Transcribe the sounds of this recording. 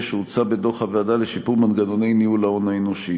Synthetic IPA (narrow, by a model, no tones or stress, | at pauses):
ʃeut͡sabedo̞χhaveadale̞ʃipuʁmanɡano̞nejniulaonaeno̞ʃi